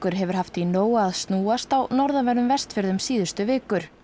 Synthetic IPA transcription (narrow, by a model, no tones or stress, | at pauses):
kʏɾɦɛvʏɾ̥haft̪inoːwaːðst̪nuːast̪awnɔɾðavɛɾðʏmvɛst̪fɪɾðʏmsiːðʏ̥st̪ʏvɪːkʏɾ̥